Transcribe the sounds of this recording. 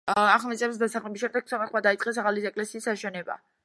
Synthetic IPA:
aχlˠmɛt̪sʼɛvs̬d̪asaχlɛbisʃɛmd̪ɛɡ̥̚sʰɔmaχmad̪ait̪sʼqʼɛs̬aʁaliɛkʼlɛsiːsːaʃɛnɛba̰

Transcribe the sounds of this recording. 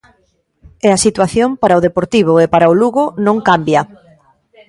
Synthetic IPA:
ɛɐsit̪waθjompaɾaoðepoɾt̪iβ̞ʊepaɾaʊluɣʊnõŋkambjɐ

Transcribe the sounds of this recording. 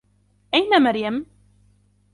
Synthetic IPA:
æjnæməɾjæm

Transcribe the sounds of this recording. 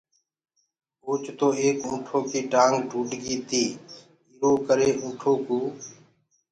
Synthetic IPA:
uːt͡ʃt̪oːeːkũːʈʰoːkiːʈaːŋɡʈuːʈɡiːt̪iː | iːɾoːkəɾeːʔũːʈʰoːkuː

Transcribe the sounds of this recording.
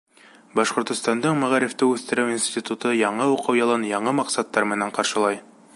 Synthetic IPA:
bɑʃqŏɾt̪ŏst̪ɑnd̪ɤɴmæʁæɾɘ̆ft̪ɘʉθt̪ɘ̆ɾɘwinsʲt̪ʲit̪ut̪ɤjɑɴɤuqɤwjɑlˠɑnjɑɴɤmɑqsɑt̪ːɑɾmɘ̆næɴqɑɾʃɤ̆lˠɑj

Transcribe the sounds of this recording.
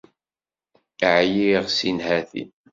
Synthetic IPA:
ʕjiʁsinhæθḭ

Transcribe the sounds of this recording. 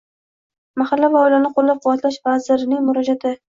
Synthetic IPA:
mahalːavaɒɪlanɪqʰolːap̚qʰʊvːat̪laʃvazɪɾɪnɪŋmʊɾɒd͡ʒat̪ʰɪ

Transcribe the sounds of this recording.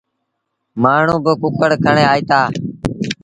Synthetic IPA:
maːɳ̤ũːbəkʊkəɽkʰəɳẽːaːiːt̪aː

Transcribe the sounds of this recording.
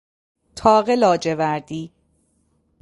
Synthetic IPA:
t̪ʰɒːɣelɒːd͡ʒevæɾd̪iː

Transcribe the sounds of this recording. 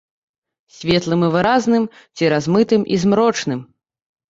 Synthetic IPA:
sʲvʲɛt̪lˠɨmɨvɨɾaznɨm | t͡sʲiɾazmɨt̪ɨmʔḭzmɾɔt͡ʂnɨm

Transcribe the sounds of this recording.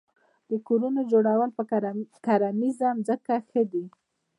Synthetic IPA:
d̪̥əkoɾunod͡ʒoɽawəlpəkaɾamizamzəkaxəd̪i

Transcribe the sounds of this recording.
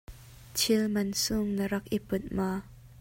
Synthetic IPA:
t͡ʃʰilmɐnsʊŋnəɾɐkʔipʊt̪̚maː

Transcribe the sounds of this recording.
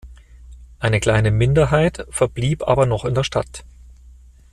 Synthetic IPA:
ʔaɪnəkl̥aɪnəmɪndɐɦaɪtfɛɐbliːpʔa̰ːbɐnɔχɪndeːɐʃta̰t

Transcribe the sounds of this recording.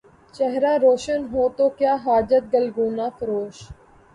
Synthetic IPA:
t͡ʃɛɦɾaːɾoːʃənɦoːt̪oːkjaːɦaːd͡ʒət̪̚ɡəlɡuːnãːfʰəɾoːʃ

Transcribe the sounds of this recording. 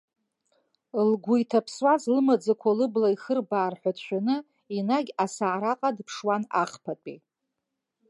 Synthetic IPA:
lɡʷujtʰapʰswazlɨmad͡zakʷʰalɨblaixɨrbaːrħʷᶣatʃʷᶣanɨ | inaɡʲasaʕɾaqʼadpʰʂwanaχpʰatʼi

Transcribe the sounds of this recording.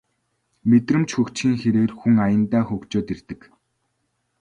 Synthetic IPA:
met̪rɘ̆mt͡ɕxɵkt͡ɕxiːŋxeɾeːrxuŋajə̆nt̪aːxɵkt͡ɕoːt̪ert̪ɘ̆k

